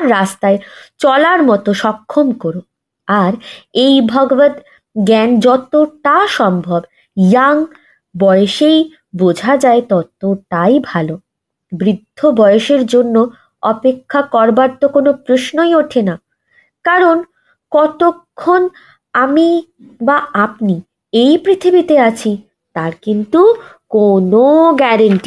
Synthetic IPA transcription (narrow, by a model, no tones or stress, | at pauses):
ast̪aet͡ɕɔlaɾmɔt̪oʃɔkʰːomkoɾo | aɾejbʱɔɡobad̪ | ɡɛnd͡ʑɔt̪oʈaʃɔmbʱɔb | jaŋ | bɔjeʃej | bod͡ʑʱad͡ʑaet̪ɔt̪oʈajbʱalo | bɾid̪ʱːobɔeeʃeɾd͡ʑonːo | ɔpekʰːakɔɾbaɾt̪okonopɾoʃnojoʈʰena | kaɾon | kɔt̪okʰːon | ami | baapni | ejpɾit̪ʰibit̪eat͡ɕʰi | t̪aɾkint̪ukonoɡɛɾaɳʈi